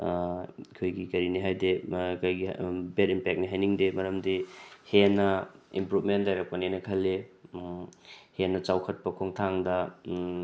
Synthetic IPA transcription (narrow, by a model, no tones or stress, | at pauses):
ikʰojɡikɐɾiniɦajdekajɡibeɾimpek̚niɦajniŋdemɐɾɐmdihenɐimpɾupmentdajɾɐk̚pɐninɐkʰɐle | henːɐt͡ʃawkʰɐt̚pɐkʰoŋtʰaŋdɐ